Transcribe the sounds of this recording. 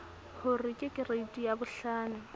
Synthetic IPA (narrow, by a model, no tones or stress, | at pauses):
hʊrɪkʼɪkʼɪreitʼijabʊɬaːnʊ